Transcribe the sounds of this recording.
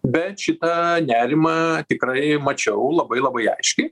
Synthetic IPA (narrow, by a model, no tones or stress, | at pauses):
bʲɛt̪ʃʲɪt̪ɐnʲæːɾʲɪmɑt̪ʲɪkɾɐɪmɐt͡ʃʲɛʊlˠɐbɐɪlˠɐbɐɪɐ̰ɪʃʲkʲɛɪ